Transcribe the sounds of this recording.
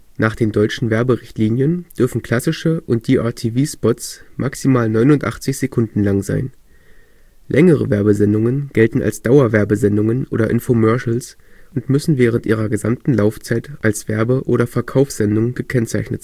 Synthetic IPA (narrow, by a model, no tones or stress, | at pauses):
nʔaːχd̥eːndɔʏt͡ʃn̩vɛɐbəʁɪçtliːnjənd̥ʏɐfn̩kʰl̥asɪʃəʔʊnt̚d̥iːʔaɐtʰiviːspɔtsmʔaksimaːlnɔʏnʊntʔa̰χt͡sɪçz̥ekʰʊndn̩laŋza̰ɪn | lʔɛŋəʁ̞ə̰vɛɐbəzɛndʊŋənɡ̥ɛltn̩a̰lsd̥aʊɐvɛɐbəzɛndʊŋənʔo̰ːdɐʔɪnfomœɐʃl̩sʔʊntmʏsn̩vɛːʁ̞əntʔiːʁ̞ɐɡəzamtn̩laʊft͡saɪtʔalsv̥ɛɐbəʔoːɾɐfɛɐkʰaʊfsz̥ɛndʊŋɡ̥əkʰɛnt͡saɪçnə̰tz̥